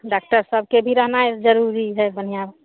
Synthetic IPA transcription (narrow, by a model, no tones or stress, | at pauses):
ɖak̚ʈəɾsəb̚ʱkebʱiɾəɦnaed͡ʒəɾuɾiɦɛbənijab